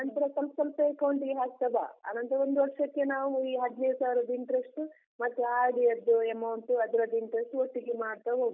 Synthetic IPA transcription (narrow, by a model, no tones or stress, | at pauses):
ɐnt̪ɐɾesɐlpsɐlsɐekɐwɳʈiɦaːksɐbʱa̰a̰ːnɐnt̪ɐɾond̪uʋɐkʂɐkːenaːʋuiːɦɐd̪neːd̪usaːʋɾɐd̪iɳʈɾesʈu | mɐt̪ːuaːɽiɐd̪uemɐwɳʈuɐd̪ɐɾɐd̪ːiɳʈɾesʈuoʈːiɡemaːɽt̪ɐɦoː